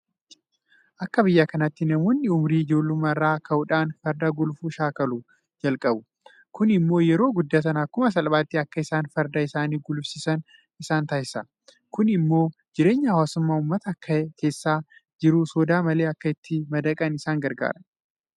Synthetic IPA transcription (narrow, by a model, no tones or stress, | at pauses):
ʔɐkːɐbɪjːaːkɐnɐt̪ːɪnɐmoːnːɪʊmɾiːɪd͡ʒo̞ːlːʊmɐrːaːkʰɐʊᶑaːnfɐɾd̪aːɡʊlfuːʃaːkɐlu | d͡ʒɐlkʼɐbʊ | kʊnɪmːo̞ːjɛɾo̞ːɡʊd̪ːaːs̬ɐnaːkʊmɐs̬ɐlbaːt̪ːɪɐkːɐɪsaːnfɐɾd̪aːɪsaːniːɡʊlfsɪsɐn | ɪsaːnt̪ɐhɪsɐ | kʊnɪmːo̞ːd͡ʒɪɾe̞ːɲːɐhɐwaːsʊmːaːʊmːɐt̪ɐkːɐke̞ːsːaːd͡ʒɪɾusɔd̪aːmɐle̞ːɐkːɐɪt̪ːɪmɐd̪ɐkʼɐnɪsaːŋɡɐɾɡa̰ːɾɐn